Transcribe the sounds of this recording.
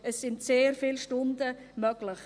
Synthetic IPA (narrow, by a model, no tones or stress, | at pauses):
əsːɪntseːɾfɪlʃtʊndə | mœɡ̥ləχ